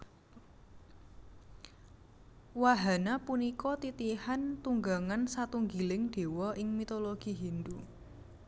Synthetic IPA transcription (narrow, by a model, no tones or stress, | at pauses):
waɦanapunikɔt̪it̪ihant̪uŋɡaŋansat̪uŋɡilɪŋɖ̥e̤wɔʔɪŋmit̪oloɡ̥i̤ɦind̪u